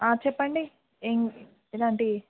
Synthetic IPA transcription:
aːt͡ʃɛpːɐɳɖi | eŋ | elaːɳʈi

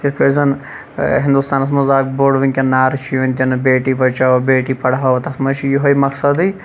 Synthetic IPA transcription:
ikɐɾzɐn | ɦĩnd̪ust̪aːnɐsmɐzaːkboːɽʋiŋʲkʲenaːɾt͡ʃʰijʋɐnʲt̪ʲɐnbeːʈibɐt͡ʃaːʋbeːʈipɐɽaːʋt̪ɐsmɐt͡ʃʰijuɦɐimɐksɐd̪ɨ

